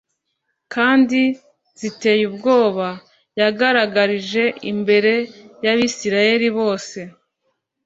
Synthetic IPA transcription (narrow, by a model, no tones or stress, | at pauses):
kaːndi | z̥ite̞ːjubɡo̞ːβa | jaɡaɾaɡaɾiʒe̞ʔḭmbe̞ɾe̞jaβisiɾaje̞ɾiβo̞ːse̞